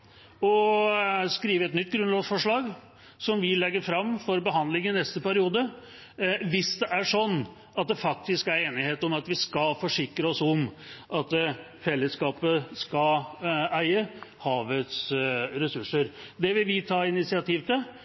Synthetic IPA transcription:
ɔ | skɾiːʋəɛt̪nʏt̪̚ːɡɾʉnlɑːɡsfɔʂɭɑːɡ | sɔmʋɪlɛɡːəɾfɾɑmːfɔɾbəɦɑnd̪lɪŋɪnɛst̪əpæɾɪuːd̪ə | ʋɪsd̪ɛʔæʂɔnː | ɑt̪̚d̪ɛfɑk̚t̪ɪskæɾeːnɪheːt̪ɔmɑt̪ʋɪskɑlfɔʂɪkɾəɔsɔm | ʔɑt̪ | fɛlːəskɑːpəskɑ | æɪəhɑːʋət̪sɾɛsʉʂəɾd̪ɛʋɪlʋɪt̪ʰɑːɪɪnɪt̪sɪɑt̪ʰiːʋt̪ɪl

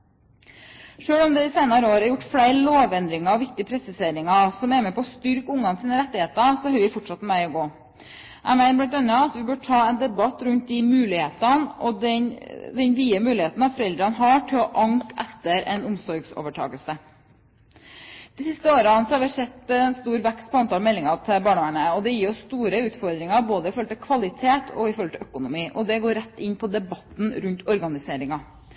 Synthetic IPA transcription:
ʂøːɽɔmd̪ɛd̪ɪsæɪnɑɾəoːɾɑɾjʊʈːfɽæɪɾloːʋɛnd̪ɾɪŋɑɔʋɪk̚t̪ɪəpʰɾɛsɪseːɾɪŋɑsɔmæɾmɛːpɔːst̪ʏɾkʊŋːɑnsiːnəɾɛt̪ːɪheːt̪əsɔhœʏʋɪfɔʈʂɑt̪mæɪɔɡoː | ʔæ̰ɪmæɪnəblɪt̪œnːɑɑt̪ʋɪbøːʈʰɑːɛnd̪ɛbɑt̪ːɾʉnt̪̚d̪ɪmʉːlɪheːt̪ɑnɔ̰d̪ɛd̪ɛnʋiːəmʉːlɪheːt̪n̩ɑʋfɔɾɛld̪ɾɑnɦɑʈʰɪlɔʔɑŋkɛt̪ːəɾɛ̰nʊmsɔɾɡso̰ːʋəʈʰɑ̰ːɡəlsə | d̪̥ɪsɪst̪əoːɾɑnsɔhɑɾʋɪsɛt̪ːɛnst̪uːɾʋɛkst̪̚pʰɔɑnt̪ʰɑlmɛlːɪŋɑt̪ʰɪbɑːɳʋæɳəɔd̪ɛjiːɾɔsst̪uːɾəʉːt̪fɔɾd̪ɾɪŋɑboːd̪əɪfɔɾhɔlt̪ɪlkʰʋɑlɪt̪ʰeːt̪ʰɔɪfɔɾɔlt̪ʰɛʔœkʊnʊmiːʔɔd̪ɛɡoːɾɛt̪ːɪnːpʰɔd̪ɛbɑt̪n̩ɾʉnt̪ɔɾɡɑnɪseːɾɪŋɑ

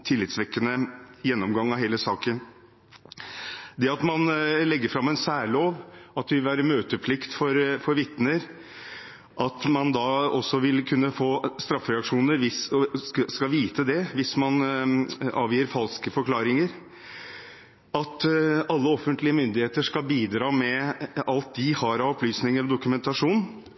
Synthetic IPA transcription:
t̪ʰɪlːɪt̪sʋɛkːənəjɛnːɔmɡɑŋːɑɦeːləsɑːkən | d̪ɛɑt̪mɑnlɛɡːəɾfɾɑmːɛnsæːɭoːʋɑt̪̚d̪ɛʋɪlʋæːɾəmøːt̪əpʰlɪkt̪fɔɾfɔɾʋɪt̪nəɾ | ʔɑt̪mɑnd̪ɑːɔsːɔʋɪlkʰʉnːəfoːst̪ɾɑfːɾɛɑkʂuːnəɾʋɪs | skɑʋiːt̪əd̪ɛʋɪsmɑn | ɑ̰ːʋjiːəɾfɑlskəfɔɾkʰlɑːɾɪŋəɾ | ɑt̪ɑlːəɔfːənt̪lɪəmʏnd̪ɪheːt̪əʂkɑlbiːd̪ɾɑːmɛɑlt̪̚d̪ɪhɑɾɑɔplyːsnɪŋəɾɔd̪ʊkʉmɛnt̪ɑʂuːn

